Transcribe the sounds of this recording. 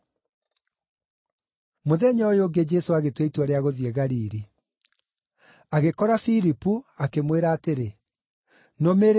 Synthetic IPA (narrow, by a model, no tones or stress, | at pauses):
moðɛɲɔjoːɡed͡ʒɛsoaɣetweitwaɾeaɣoðiɛɣaɾiːɾi | aɣekɔɾafiɾipuakemweɾaːteɾe | nomeɾ